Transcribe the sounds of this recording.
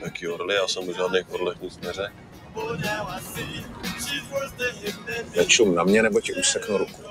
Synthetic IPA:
nakiːoɾlɪjaːsɛmuʒaːdnɛjxoɾlɛxusmɛɾɛ | nɛt͡ʃumnamɲɛnɛbocɛʔuːsɛknuɾuku̥

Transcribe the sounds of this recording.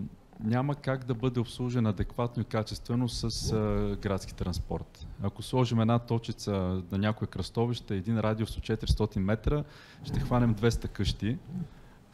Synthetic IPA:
nʲaməkaɡd̪ɐbɤd̪ɛopslˠuʒɛnɐd̪ɛkvat̪noikat͡ʃɛst̪vɛnosəsɡɾat̪sk̟i̥t̪ɾɐnspɔ̰ɾt̪ɐkoslˠɔʒimɛd̪nat̪ɔt͡ʃit̪sənɐnʲakʊjəkɾɐst̪ɔviʃt̪əɛd̪inɾad̪iosot͡ʃɛt̪ɾist̪ɔt̪inmɛt̪ɾə | ʃt̪ɛxvanɛmd̪vɛst̪ɐkɤʃt̪i

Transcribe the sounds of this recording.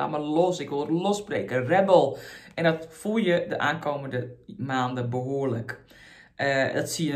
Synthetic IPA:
a̰məlɔsɪkʋolˠɾlɔsbreːkərɛbəlˠʔɛndɔtfulˠjədəʔaːnkʰowməndəmaːndəbəɦoːlək | ʔədɔtsiə

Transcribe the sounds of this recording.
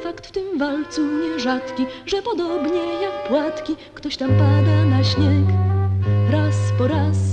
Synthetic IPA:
fakt̪ft̪ɘmvalt̪suɲɛʐat̪kʲiʐɛpɔd̪ɔbɲɛjak̚pwat̪kʲi | kt̪ɔɕt̪ampad̪anaɕɲɛk | ɾaspɔɾas

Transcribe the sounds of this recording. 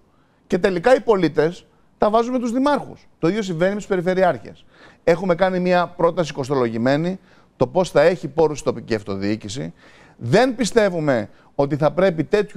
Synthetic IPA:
ce̞t̪e̞likɐipo̞lit̪e̞s | t̪ɐvɐzumet̪uzðimɐɾxṵst̪o̞iðjo̞s̬iɱve̞nimt̪speɾife̞ɾiɐɾçiɐ̰s | e̞xume̞kɐnimiɐpɾo̞t̪ɐs̬iko̞st̪o̞lo̞ʝime̞ni | t̪o̞po̞sθɐe̞çipo̞ɾusi̥t̪o̞piciɐft̪o̞ðiicisḭ | ðe̞npist̪e̞vume̞ | o̞t̪iθɐpɾe̞pit̪e̞t̪ç

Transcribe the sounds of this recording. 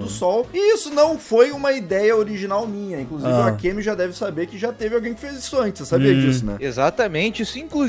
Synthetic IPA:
d̪ʊsɔwɪisʊnɐ̃w̃fojũmɐid̪ɛjɐoɾiʒinawmĩɲɐĩkluzivɪakemɪʒad̪ɛvɪsabeɾkɪʒat̪evɪawɡẽj̃kɪ̥fezisʊɐ̃nt͡ʃɪ̥sːabiɐd͡ʒisʊnɛ̰ezat̪ɐmẽnt͡ʃɪisʊĩŋklu

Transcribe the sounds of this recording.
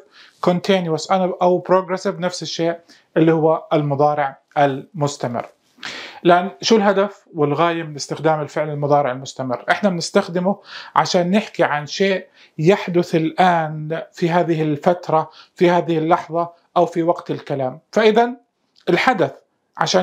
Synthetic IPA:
kont̪ʰeːnjuasʔanaʔawpɾoːɡɾɛsɪvnafsɪʃːeːʔ | ʔɪlːihʊwːaɪlmʊðˤɑːɾɪʕ | ʔalmʊst̪amɪ̰rː | lʔanʃuːlɦad̪af | wɪlɣaːjamɪnɪst̪ɪxd̪aːmɪlfɪʕlɪlmʊðˤɑːɾɪʕɪlmʊst̪amɪ̰rːʔɪħnabnɪst̪axd̪ɪmʊʕa̰ʃaːnːɪħkiʕanʃeːʔ | jaħd̪ʊθɪlʔaːnfiɦaːðɪɦɪlfat̪ɾˤɑfihaːðɪhɪlːɑħðˤɑ | ʔawfiwaɡt̪ɪlkalaːmfaʔɪðan | ʔɪlħad̪aθ | ʕa̰ʃaː

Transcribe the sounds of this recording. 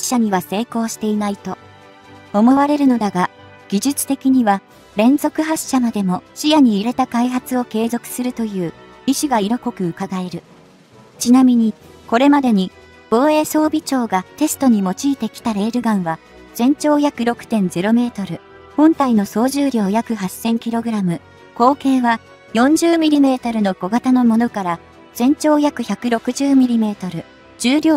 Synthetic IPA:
ɕaɲ̟iβase̞ːko̞ːɕi̥t̪e̞inait̪o̞ | omo̞βaɾe̞ɾɯ̟no̞d̪aɡa | ɡ̥ʲiʑɨt͡sɨ̥t̪e̞kʲiɲ̟iβa | ɾẽ̞nzo̞kɯ̟ɦaɕːamad̪e̞mo̞ɕijaɲ̟iːɾe̞t̪akaiɦat͡sɨo̞ke̞ːzo̞kɯ̟̥sɨɾɯ̟t̪o̞jɯ̟ː | iɕiɡaiɾo̞ko̞kɯ̟ɯkaɡae̞ɾɯ̟ | t͡ɕinamʲiɲ̟i | ko̞ɾe̞mad̪e̞ɲ̟i | b̥o̞ːe̞ːso̞ːbʲit͡ɕo̞ːɡat̪e̞sɨ̥t̪o̞ɲ̟imo̞t͡ɕiːt̪e̞kʲi̥t̪aɾe̞ːɾɯ̟ɡãɰ̃βa | z̥ẽ̞ɲ̟t͡ɕo̞ːçakɯ̟ɾo̞kɯ̟̥t̪ẽ̞nd͡ze̞ɾo̞me̞ːt̪o̞ɾɯ̟ | hõ̞nt̪aino̞so̞ːʑɨːɾʲo̞ːjakɯ̟ɦasẽ̞ŋkʲiɾo̞ɡɯ̟ɾamɯ̟ | ko̞ːke̞ːβa | jõ̞ɲ̟d͡ʑɨːmʲiɾʲime̞ːt̪aɾɯ̟no̞ɡ̥o̞ɡat̪ano̞mo̞no̞kaɾa | z̥ẽ̞ɲ̟t͡ɕo̞ːçjakɯ̟çakɯ̟ɾo̞kɯ̟ʑɨːmʲiɾʲime̞ːt̪o̞ɾɯ̟ | d͡ʑɨːɾʲoː

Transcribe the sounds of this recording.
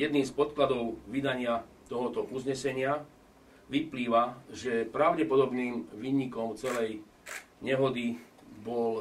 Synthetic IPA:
jɛd̪niːmspɔt̪̚klad̪ɔʊʋid̪aɲɪat̪ɔɦɔt̪ɔʔuzɲɛsɛɲɪa | ʋipliːʋaʒɛpɾaʊɟɛpɔd̪ɔbniːmʋiːɲikɔmt͡sɛlɛj | ɲɛɦɔd̪i | bɔl

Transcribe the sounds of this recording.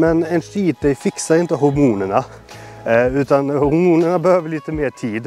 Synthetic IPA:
mɛnɛɪnʂiːt̪̚d̪ɛɪfɪksəɾɪnt̪əɦʊɾmuːnənə | ʉːt̪ɑnhhʊɾmuːnənəbəhøːʋəɭɪt̪əmeːt̪ʰiːd̪

